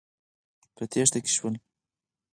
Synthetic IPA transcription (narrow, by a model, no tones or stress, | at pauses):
pət̪eʂt̪aki̥ʃwəl